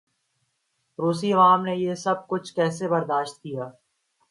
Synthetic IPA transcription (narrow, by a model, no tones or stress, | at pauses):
ɾoːsiɐʋaːmnejeːsɐb̚kʊt͡ʃʰkɛːsebɐɾd̪aːʃt̪̚kijaː